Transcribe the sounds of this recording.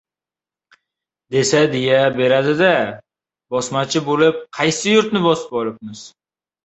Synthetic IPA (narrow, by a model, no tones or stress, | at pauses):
d̪e̞sad̪ejabe̞ɾad̪ɪd̪a | bɒsmat͡ʃʰɪbolɪp̚qʰɑjsɪjʊɾt̪nɪbɒsɪ̥pɒlˠɪp̚mɪz̥